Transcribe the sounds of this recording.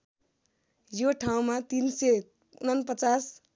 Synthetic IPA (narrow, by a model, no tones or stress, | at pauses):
joʈʰaw̃mat̪inse | unʌnpʌt͡sas